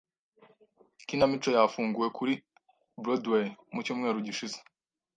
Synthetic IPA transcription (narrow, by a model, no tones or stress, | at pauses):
kinamit͡ʃo̞jafuːŋɡuje̞kʰuɾi | bɾodwejmucuːmŋe̞ːɾuɟiʃize̥